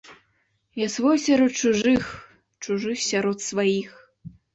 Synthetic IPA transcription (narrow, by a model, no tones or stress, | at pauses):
jasvɔjsʲaɾɔt̪̚t͡ʂuʐɨx | t͡ʂuʐɨxsʲaɾɔt̪svajix